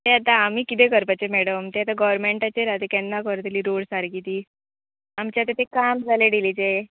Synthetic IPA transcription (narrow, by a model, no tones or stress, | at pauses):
t̪eat̪aːm̤iːkit̪ekəɾpat͡ɕemɛɽəmt̪eat̪aɡəʋɾmeɳʈat͡ɕeɾat̪ekɛnːakəɾt̪liːɾoɽsaɾkit̪iː | amt͡ɕjat̪at̪ekamd͡zʱaleɖilit͡ɕe